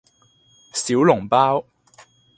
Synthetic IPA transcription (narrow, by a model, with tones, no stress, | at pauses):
siː˨˥wlʊ˨˩ŋpaː˥w